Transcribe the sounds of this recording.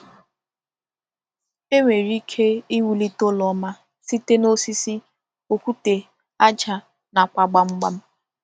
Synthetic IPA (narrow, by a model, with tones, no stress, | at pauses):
e˦ŋʷe˨ɾi˦kʰe˦i˦wu˨li˦to˦lɔ˨˦ma˦ | si˦te˦no˦si˦si˦ | o˨kʷu˦te˨ | a˦d͡ʒa˨ | na˨kʷa˨ɡ͡ba˦ŋ͡m̩˦ɡ͡ba˦m̩˦